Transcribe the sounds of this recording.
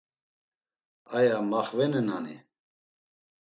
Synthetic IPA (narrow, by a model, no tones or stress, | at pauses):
ajamaχvɛnənanḭ